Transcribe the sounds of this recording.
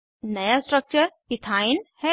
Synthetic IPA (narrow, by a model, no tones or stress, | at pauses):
nɐjasʈɾək̚t͡ʃəɾkit̪ʰaːɪnhɛ